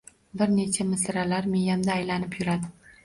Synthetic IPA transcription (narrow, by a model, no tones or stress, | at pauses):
bɪɾne̞t͡ʃʰamɪsɾalaɾmejamd̪aːjlanɪpjʊɾad̪ɪ